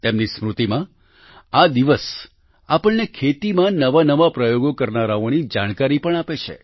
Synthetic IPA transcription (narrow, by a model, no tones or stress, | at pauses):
t̪emnismɾut̪imã | ad̪iʋəs | apəɳnekʰet̪imãnəʋanəʋapɾəjoɡokəɾnaɾaonid͡ʒaɽ̃kaɾipəɳ̃apet͡ʃʰḛ